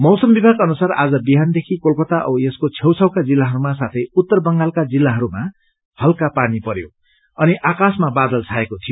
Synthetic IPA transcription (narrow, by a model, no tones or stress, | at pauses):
mʌwsʌmbibʱaɡʌnusara̰d͡zʌbiɦand̪ekʰikolpʌt̪aʔʌ̰eskot͡sʰewt͡sʰʌwkad͡zilːaɦʌɾumasat̪ʰʌjut̪ːʌrbʌŋɡalkad͡zilːaɦʌɾuma | hʌlkapanipʌɾjo̰ | ʌniʔakasmabad̪ʌlt͡sʰaekot̪ʰijo